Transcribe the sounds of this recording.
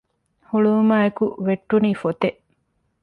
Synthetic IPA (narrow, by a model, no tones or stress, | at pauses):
huɭumaːekuʋeʈːuniːfot̪eʔ